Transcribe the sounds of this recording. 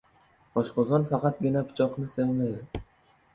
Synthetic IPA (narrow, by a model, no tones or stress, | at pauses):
ɒʃqɒzɒnfɑqʰɑt̪̚ɡʲɪnapʰʊ̥t͡ʃʰɒqnɪsevmajd̪ɪ